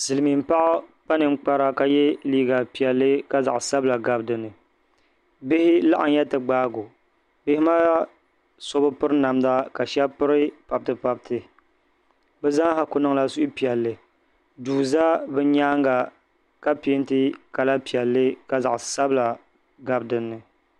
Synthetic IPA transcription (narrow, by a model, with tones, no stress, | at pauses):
sɨ˨lɨ˨mi˨m˦pa˦ʔa˦k͡pa˦nɨ˨˦k͡pa˦ɾa˦ka˨jɛ˦liː˦ɡa˨pi˨ɛ˨lːɨ˦ka˦za˨ʔsa˦bɨ˦la˨ɡa˨bdɨ˨nɨ˨ | bɪ˦hɪ˦la˦ʔa˨n˦jɛ˦tɨ˨ɡ͡baː˦ɡo˨ | bɪ˦hɪ˦maː˦ | so˦bɨ˦pɨ˦ɾɨ˦na˨mda˦ka˨ʃɛ˦pɨ˦ɾɨ˦pa˨b̚tɨ˦pa˦b̚tʰɨ˨ | bɛ˦za˦ha˨kʊ˨nɨ˦ŋ˦la˦su˦ʔpi˨ɛ˨lːɨ˨ | duː˨za˦bɨ˦ɲaː˦ŋɡa˨ | ka˦pi˨ɪ˦ntɨ˦ka˨la˦pi˨ɛ˨lːɨ˦ka˨za˨ʔsa˦bɨ˦la˨ | ɡa˨bdɨ˨nːɨ˨